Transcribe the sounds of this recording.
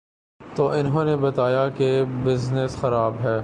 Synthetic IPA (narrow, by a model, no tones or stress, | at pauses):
t̪oːɪnɦõːnebɐt̪aːjakebɪznəsxɐɾaːbɦɛː